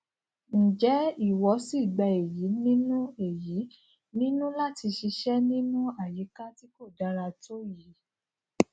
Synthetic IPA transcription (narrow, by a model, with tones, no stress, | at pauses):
ñ̩˨d͡ʒɛ˨˦i˦˨wɔ˨˦si˦˨ɡ͡bɛ˧e˨ji˨˦nĩ˦nũ˦e˨ji˨˦ | nĩ˦nũ˦la˦ti˧ʃi˧ʃɛ˦nĩ˦nũ˦a˨ji˨˦ka˦ti˦ko˦˨da˨˦ɾa˧to˦ji˨˦